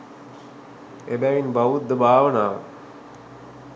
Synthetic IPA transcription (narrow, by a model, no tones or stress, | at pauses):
ebæːʋinbɐʋud̪ːəbʱaːʋənaː